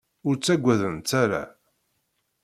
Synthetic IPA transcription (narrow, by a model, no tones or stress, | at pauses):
ʊɾt͡sːæɡʷːæðənt̪ːæɾa̰